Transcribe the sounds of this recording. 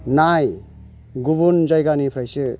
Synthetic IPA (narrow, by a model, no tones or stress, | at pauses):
naj | ɡubund͡ʒajɡanipʰɾajsɯ